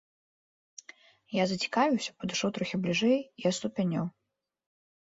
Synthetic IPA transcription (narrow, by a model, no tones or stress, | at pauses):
jazɐt͡sʲi̥kavʲiwsʲɐ̥pɐd̪ɨʂɔwt̪ɾɔxʲiblʲiʐɛjiɐt̪st̪upʲɛnʲɔw